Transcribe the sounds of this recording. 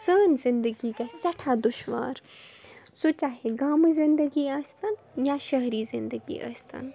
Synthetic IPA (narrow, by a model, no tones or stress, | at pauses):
səːnzɪ̃nd̪əɡikasɐʈʰad̪ʊʃʋa̰ːɾ | sot͡ʃaːɦeɡaːmɨzɪ̃nd̪əɡiaːst̪ɐn | jãʃɐɦɾizɪ̃nd̪əɡḭɐ̰st̪ɐ̰n